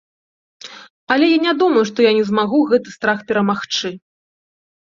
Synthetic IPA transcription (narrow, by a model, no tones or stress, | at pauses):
ɐlʲɛjanʲad̪umɐjuʂt̪ɔjanʲɛzmaɣuɣɛt̪ɨst̪ɾaxpʲɛɾɐmaxt͡ʂɨ